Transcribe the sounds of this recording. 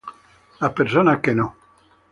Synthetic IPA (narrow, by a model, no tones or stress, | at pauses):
apeɾsonakːeno